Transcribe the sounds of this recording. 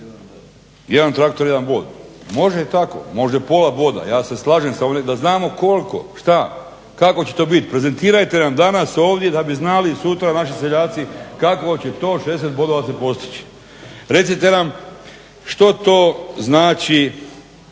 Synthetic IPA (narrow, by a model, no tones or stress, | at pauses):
jed̪ant̪ɾakt̪o̞ɾjed̪anboːd̪mo̞ʒeet̪ako̞̰mo̞ʒd̪apo̞labo̞ːd̪a̰jaːse̞slˠaːʒemsaoned̪aznaːmo̞ko̞lko̞̰ʃt̪a | kako̞t͡ɕet̪o̞ːbit̪i̥pɾe̞ze̞nt̪iːɾajt̪e̞namd̪anaso̞ːʋd̪je̞d̪abiznalisut̪ɾanaʃ̬iseʎaːt̪sikakʋot͡ɕe̞t̪o̞ːʃes̬et̪̚bo̞d̪o̞ʋasepo̞st̪i̥t͡ɕi̥ | ɾe̞t̪sit̪e̞nam | ʃt̪o̞t̪oːznaːt͡ɕi